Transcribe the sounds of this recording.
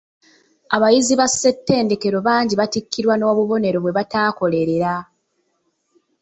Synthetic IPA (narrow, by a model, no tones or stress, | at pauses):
aβajiziβasːe̞tːe̞ːnde̞ke̞ɾo̞βaːɲɟiβatikːiɾwano̞ːβuβo̞ne̞ɾo̞βwe̞βataːko̞le̞ɾe̞ɾa